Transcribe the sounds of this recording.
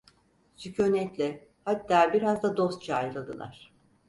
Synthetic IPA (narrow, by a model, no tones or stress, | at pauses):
sycʰønɛt̪lʲɛ | hat̪ːaːbiɾazd̪ad̪o̞st̪̚t͡ʃʰaajlˠad̪ɯ̰lˠa̰ɾ̥